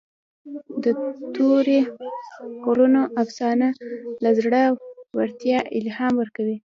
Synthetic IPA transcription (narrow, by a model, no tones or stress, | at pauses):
d̪ət̪oɾe | kolunoʔafsɑnalazɽəwwaɾt̪jɑʔɪlhɑmwəɾkawi